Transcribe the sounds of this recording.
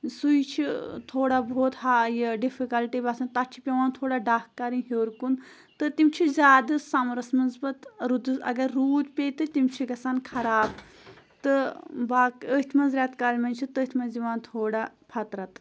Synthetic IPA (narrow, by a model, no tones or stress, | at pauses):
sujt͡ʃʰit̪ʰoːɽabʱoːt̪haːjɐɖifʰikɐlʈibɐsɐnt̪ɐt͡ʃʰi̥pʲeʋaːnt̪ʰoːɽaːɖaːhkɐɾinɦoːɾkun | t̪ɨt̪imʲt͡ʃʰizʲaːd̪ɨsamɾɐsmɐzbɐt̪ɾud̪ɨsɐ̰ɡɐɾːuːd̪pʲeːt̪ɨt̪imt͡ʃʰiɡɐsaːnkʰɐɾaːb | t̪ɨbaːkət̪ʰmɐnzɾʲaːt̪kɐlʲmɐnt͡ʃʰit̪əːt̪ʰmɐnziʋaːnt̪ʰoːɽapʰɐt̪ɾɐt̪